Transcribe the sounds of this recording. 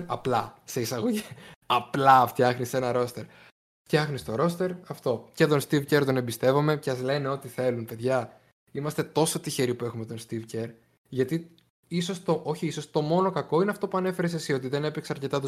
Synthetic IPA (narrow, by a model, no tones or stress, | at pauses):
ɐplɐse̞isɐɣo̞ʝiɐplɐft̪çɐxnise̞nɐɾo̞st̪e̞ɾ | ft̪çɐxnist̪o̞ɾo̞st̪e̞ɾɐft̪o̞ce̞t̪o̞nst̪ivce̞ɾt̪o̞ne̞bist̪e̞vo̞me̞ceɐzle̞neo̞t̪iθe̞lunpe̞ðʝɐ | imɐst̪e̞t̪o̞so̞t̪içe̞ɾipue̞xumet̪o̞nst̪ivceɾ | ʝɐt̪i | iso̞st̪o̞ʔo̞çiiso̞st̪o̞mo̞no̞kɐko̞ineɐft̪o̞puɐne̞fe̞ɾesesio̞t̪̬iðe̞nepekseɐɾce̞t̪ɐt̪u